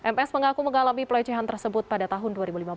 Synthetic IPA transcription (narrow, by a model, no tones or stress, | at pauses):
ʔɛmɛsməŋakuməŋalamipəlɛt͡ʃɛɦant̪ərsəbʊt̪̚padat̪aɦʊnduaɾibulimab